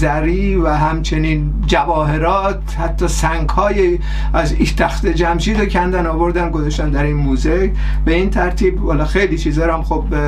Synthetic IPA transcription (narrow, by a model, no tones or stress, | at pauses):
zæɾiːvæɦæmt͡ʃʰe̞niːn | d͡ʒævɒːɦe̞ɾɒːt̪hæt̪ʰːɒːsæŋɡhɒːje | æzit̪ʰæxt̪ed͡ʒæmʃiːd̪ocʰænd̪ænɒːvo̞ɾd̪æmɡo̞zɒʃt̪æmd̪æɾinmuːze | be̞iːnt̪ʰæɾt̪ʰiːbhɒːlɒxejliːt͡ʃʰiːzɒɾæmxob